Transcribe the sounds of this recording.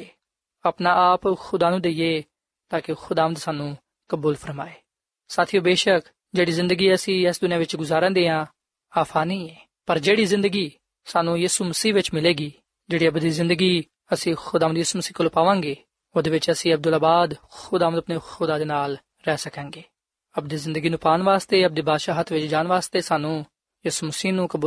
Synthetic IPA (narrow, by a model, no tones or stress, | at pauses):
əpnaːʔaːpxʊd̪aːnũːd̪eieː | t̪aːkɪxʰʊd̪aːməd̪saːnũː | kəbuːlpʰəɾmaːeː | saːt̪ʰiːõːbeːʃək | d͡ʒeːɽiːzɪ̃nd̪əɡiːəsĩːɛːsd̪ʊnɪjãːʋɪt͡ʃɡʊzaːɾãːd̪eːãː | aːpʰaːnĩːɛː | pəɾd͡ʒeːɽiːzɪ̃nd̪əɡiː | saːnũːjiːsuːməsiːʋɪt͡ʃmɪleːɡiː | d͡ʒeːɽiːəbd̪iːzɪ̃nd̪əɡiː | əsĩːxʊd̪aːə̃nd̪jiːsuːməsiːkəloːpaːʋãːŋɡeː | oːd̪eːʋɪt͡ʃəsĩːəb̚d̪ʊlaːbaːd̪xʊd̪aːə̃d̪əpneːxʊd̪aːd̪eːnaːl | ɾɛːsəkãːŋɡeː | əp̚d̪iːzɪ̃nd̪əɡiːnũːpaːnʋaːst̪eːəp̚d̪iːbaːd̪ʃaːɦət̪ʰʋɪt͡ʃd͡ʒaːnʋaːst̪eːsaːnũː | jiːsuːməsiːnũːkəbuː